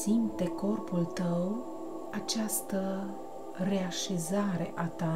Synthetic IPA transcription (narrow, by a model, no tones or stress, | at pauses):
simt̪e̞ko̞rpult̪əw | at͡ʃast̪ə | re̞aʃe̞zaɾe̞̰ʔat̪a